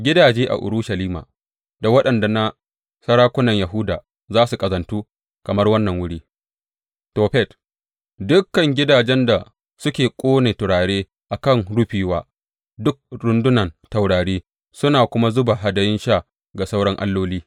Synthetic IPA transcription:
ɡʲɪ˦daː˨d͡ʒeː˦ʔa̰˨ʔʊ̰˨ɾu˦ʃa˨liː˦ma̰ː˨ | da˨wɐ˦ɗɐ˨nda˨na˦ | sɐ˦ɽaː˦kʷʊ˦nɐ˨ɲja˨ɦʊː˦daː˨ | zaː˦su˨kʼɐ˨zɐ˨ntuː˦ | kɐ˨mɐ˦rwɐ˦nːɐ˨ŋwʊ˦ɽiː˦ | toː˨ɸɛ˦˨t | dʊ˦kːɐ˨ŋɡʲɪ˦daː˨d͡ʒɛ˦nda˨ | sʊ˦kʲeː˨kʷʼoː˦neː˨tʊ˨ɽaː˨ɽeː˦ | ʔa˨kɐ˦˨ŋɽʊ˦ɸiː˨waː˦ | dʊ˦k̚ɾʊ˨ndʊ˦nɐ˨nta˨wɽaː˨ɽeː˦ | sʊ˦naː˨kʷʊ˦ma˦zʊ˦ba˨ɦa˨˦dɐ˨jɪ˦nʃa˦˨ | ɡa˨sa˦wɽɐ˦ŋʔa̰˦lːoː˦liː˦

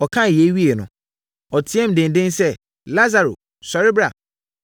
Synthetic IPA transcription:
ɔ˨kʰã˦˨jɛ˦ɥi˦e˨nʊ̃˨ | ɔ˨tʰi˨˦ɛ˦m̩˨dɪ̃˨n˨dɪ̃˦nsɛ˦ | la˦za˨ɾo˨ | sɔ˨ɾɪ˦bɾa˨

